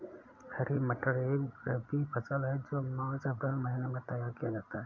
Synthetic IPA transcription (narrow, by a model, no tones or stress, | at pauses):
kʰɛɾiməʈəɾeɾəbipʰəsəlɦɛd͡ʒoːmaːt͡ʃəbɾalməɦinamẽt̪əjaːɾkijad͡ʒaːt̪aɦɛ